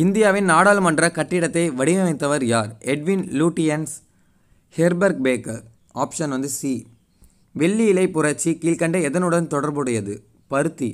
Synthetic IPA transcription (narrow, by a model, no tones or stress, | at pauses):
ɪnd̪ɪjaːʋɪnnaːɽaːlmɐɳɖrɐkɐʈːɪɽɐt̪ːɐɪʋɐɽɪmɛʋɐɪt̪ːɐʋɐɾjaːɾɛɖʋɪnluːʈːɪjɐns | hɛɾbɐɾɡ̚beːkɐ | aːpʂɐnʋɐnd̪ɯsiː | ʋɛɭːiɪlɐɪpːʊɾɐt͡ʃːikiːlkɐɳɖɐɛðɐnɯɽɐnt̪ɔɽɐɾbɯɽɐjɐðɯ | pɐɾɯt̪ːi